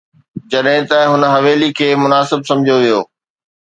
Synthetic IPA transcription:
d͡ʑɐɗɦɪ̃t̪ɐɦʊnɦɐʋeːlikʰeːmʊnaːsɪbsɐ̃md͡ʑʱijoʋijoː

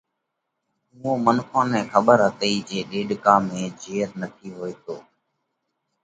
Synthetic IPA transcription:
ɦuːõːmənkʰãːnɛ̃ːxʰəɓəɾɦət̪əiːd͡ʒeːɗeːɖkaːmẽːd͡ʒeːɾnət̪ʰiːɦoːeːt̪oː

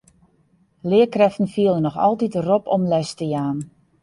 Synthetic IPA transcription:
lɪəkrɛftn̩fiəlˠənɔxɔ̰lˠtitəropʰɔmlɛstəjaːn

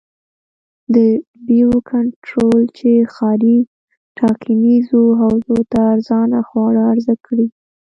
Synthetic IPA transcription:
d̪ə | biokʰaɳʈɾolt͡ʃexɑɾi | ʈʰɑkʰinizoɦawzot̪aːɾzɑnaxwɑɽaːɾzakɽi

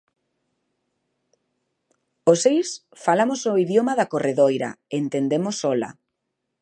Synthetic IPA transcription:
osejs | falamosoiðjomaðakoreðojɾɐa̰ent̪end̪emosɔla̰

